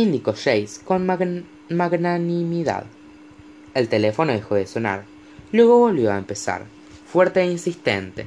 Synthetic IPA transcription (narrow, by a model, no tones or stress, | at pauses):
ind̪ikoʃejsko̞n | maɣnanimiða̰ð | e̞lt̪e̞lefo̞noðexo̞ðeso̞na̰ɾ | lwe̞ɣ̞o̞βo̞lβjo̞a̰empe̞sa̰ɾ | fweɾt̪einsist̪ḛnt̪ḛ